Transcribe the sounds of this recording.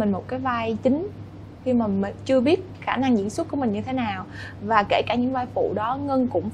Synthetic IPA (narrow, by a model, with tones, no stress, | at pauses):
ï˨˩ŋ̟mo˨˩kaː˨˦jvaː˧jt͡ɕï˨˦ŋ̟ | xi˧maː˨˩mi˨˩ŋt͡ɕɨ˧əɓi˦˥ət̚xaː˧˩na˧ŋzḭ˧˥ənswə˦˥t̚ku˧˩əmï˨˩ŋ̟ɲɨ˧t̪ʰe˨˦naː˨˩w | vaː˨˩ke˧˩kaː˧˩ɲɨ̰˧˥ŋvaː˧jfṵ˧˨ɗɔ˨˦ŋə˧nkʊ̰˧˥ŋ͡m